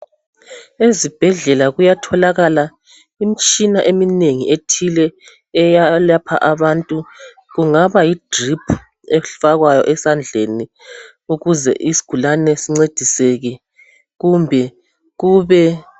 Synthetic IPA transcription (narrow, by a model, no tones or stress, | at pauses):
ezib̥ʱɛɮɛlaɣujatʰɔlaɣala | imit͡ʃʼinaʔemineŋietʰilɛː | jalapʰa̰ʔaβantʼu | ɣuŋaβajid̥ripʰ | ɛfaɣwajɔ̰ʔɛsand͡ɮʱeni | uɣuzɛ̰ʔisi̥ɡ̥ʱulanɛsiŋ͡ǀed̥ʱisɛɣɛ | ɣumbʱɛ | ɣuːβɛ